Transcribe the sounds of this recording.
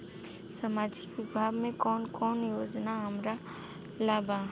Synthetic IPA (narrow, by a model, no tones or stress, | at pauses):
sɐmaːd͡ʒɪkʋɪbʱaːɡmẽkɔːnkɔːnjoːd͡ʒnaɦɐmɾa | laːba